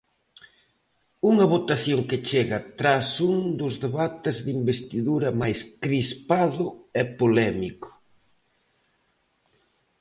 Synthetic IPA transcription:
uŋɐβot̪aθjoŋkɪt͡ʃeɣɐt̪ɾasuŋd̪ʊzðeβat̪ezðimbest̪iðuɾɐmajskɾispaðʊɛpolɛmikʊ̥

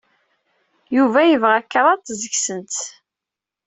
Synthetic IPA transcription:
juvæjəvʁækːəɾˤɑt̪ˤːzəçsənt̪

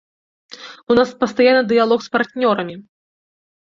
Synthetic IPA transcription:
unaspɐst̪ajanːɨd̪ɨjalˠɔxspart̪nʲɔɾɐmʲi

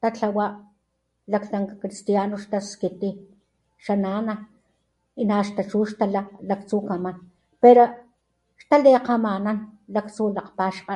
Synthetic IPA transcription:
t̪at͡ɬawaʔ | lakt͡saŋkakɾist̪janoʃt̪askit̪i | ʃanana | inaʃt̪at͡ʃuːʃt̪alalakt͡sukaman | peɾo | ʃt̪aleqamananlakt͡sulaqpaʃqa

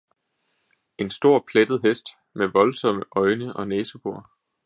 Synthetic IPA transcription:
e̝nsd̥o̝ɐ̰pʰled̥ð̞̩ˠɦesd̥ | meʋɒ̽lsɒ̽məʔɒ̽ɪnəʔɒ̽neːsəb̥o̝ɐ̰

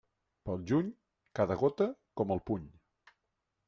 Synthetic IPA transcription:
pəlˠʒuɲ | kaðəɣot̪əkɔməlˠpuɲ

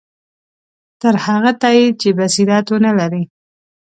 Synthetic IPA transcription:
t̪əɾhaɣat̪ɑjit͡ʃebasiɾɑt̪onalaɾi

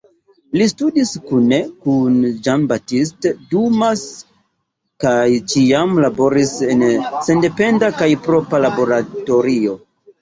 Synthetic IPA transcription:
listudiskune̞kund͡ʒanbatis̬tdumas | kajt͡ʃiamlabo̞ɾise̞nse̞nde̞pe̞ndakajpɾo̞pɾalabo̞ɾato̞ɾio̞

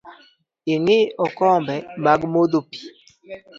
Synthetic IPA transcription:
ɪŋɪɔkɔmbɛmaɡmodopi̥

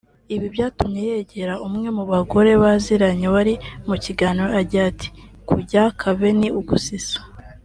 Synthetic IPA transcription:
iβiβjaːtumɲe̞jeɟe̞ɾaumŋe̞muβaɡo̞ɾe̞βaziɾaɲeβaɾimuciɡaːniɾoaɟiati̥kuɟakʰaβe̞niuɡusisḁ

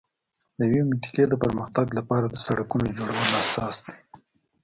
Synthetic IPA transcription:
d̪̥əjawemʊnt̪i̥ked̪əpəɾməxt̪aɡlapɑɾad̪əsaɽakunod͡ʒoɽawəlasɑsd̪e̥

